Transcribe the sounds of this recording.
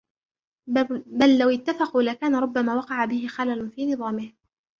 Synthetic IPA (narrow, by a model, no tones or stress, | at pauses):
balːawɪt̪ːafɑquːlakaːnaɾˤʊbːamaːwɑqɑʕabɪhɪxalalʊnfiːnɨðˤɑːmɪh